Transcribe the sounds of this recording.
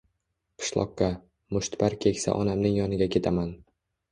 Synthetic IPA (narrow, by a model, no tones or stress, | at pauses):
qʰɨ̥ʃlˠɒ̰qːɑ | mʊʃt̪paɾkʲʰe̞kʲsa̰ʔɒnamnɪŋjɒnɪɡʲakʲʰe̞t̪ʰaman